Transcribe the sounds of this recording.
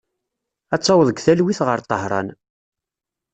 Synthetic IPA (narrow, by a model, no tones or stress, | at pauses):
æt͡sˤːɑwəðˤəɡθælwiθʁəɾt̪ˤːəhɾˤɑ̰n